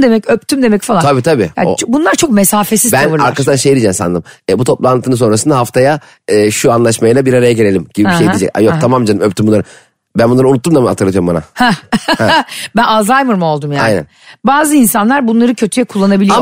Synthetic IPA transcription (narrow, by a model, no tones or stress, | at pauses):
d̪e̞mɛcøp̚t̪ʰymd̪e̞mɛcfalˠaabiːt̪ʰabiːja̰t͡ʃbunlˠaɾt͡ʃʰo̞k̚me̞saːfe̞sizb̪nvɯɾaɾɾʰasɯanʃejid̪id͡ʒɛmsa̰nd̪ɯmɛbut̪ʰo̞plˠant̪ʰɯnɯs̬o̞nɾas̬ɯnd̪aɦaft̪ʰaja | ɯːʃuanlˠaʃmajɯlabiɾaɾajaɟelʲe̞lʲimɟ̥ibibiʃejeid͡ʒɛ̰ca̰jok̚t̪ʰamamd͡ʒanɯmøpt̪ymbunːˠaɾɯ | bænbunˠaɾɯunut̪ːumd̪amha̰t̪ʰɯɾlːˠat̪ʰɯjoɾmba̰na̰hɛhbænazajmɯɾmo̞lˠd̪umjaa̰jnæ̰n | baːzɯinsanlˠaɾbunlˠaɾɯcʰøt̪ʰyjɛkʰulˠːanabii